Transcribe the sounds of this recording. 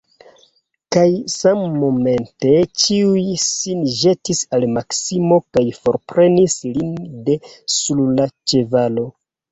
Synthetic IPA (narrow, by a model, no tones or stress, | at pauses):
kajsamːo̞me̞nte̞t͡ʃiujsinʒe̞tisalmaksimo̞kajfo̞ɾpɾe̞nislinde̞sullat͡ʃe̞valo̞